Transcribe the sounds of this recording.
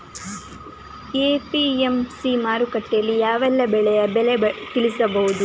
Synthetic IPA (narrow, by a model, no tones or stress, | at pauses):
eːpiemsimaːɾukɐʈːjɐlːijaːʋɐlːɐbɛɭɛjɐbɛɭet̪iɭisɐbɐɦud̪u